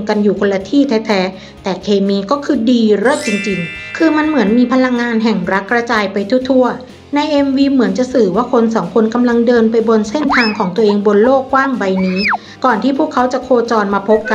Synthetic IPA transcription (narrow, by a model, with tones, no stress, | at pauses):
ka˧njuː˨˩kʰo˧lːa˧t̪ʰiː˥˩t̪ʰɛː˦˥t̪ʰɛː˦˥ | t̪ɛː˨˩kʰeː˧miː˧kɔː˥˩kʰɯː˧diː˧ɾo˦˥˩t̪̚t͡ɕi˧ŋt͡ɕi˧ŋkʰɯː˧ma˧nmɯ˩˦ənmiː˧pʰa˧la˧ŋːaː˧nɦɛ˨˩ŋɾa˦˥kːɾa˧t͡ɕaː˧jpa˧jt̪ʰu˥˩t̪ʰu˥˩ɐ | na˧jʔe˧mwiː˧mɯ˩˦ənt͡ɕa˨˩sɯː˨˩waː˥˩kʰo˧nsɔː˩˦ŋkʰo˧nka˧mla˧ŋdɤː˧npa˧jbo˧nse˥˩nt̪ʰaː˧ŋkʰɔː˩˦ŋt̪u˧ʔeː˧ŋbo˧nloː˥˩kːwaː˥˩ŋba˧jniː˦˥ | kɔː˨˩nt̪ʰiː˥˩pʰu˥˩əkʰːa˦˥wt͡ɕa˨˩kʰoː˧t͡ɕɔː˧nmaː˧pʰo˦˥p̚ka˧